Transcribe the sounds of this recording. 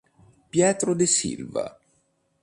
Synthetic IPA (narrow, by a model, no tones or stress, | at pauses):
pjɛːt̪ɾod̪esḭlva̰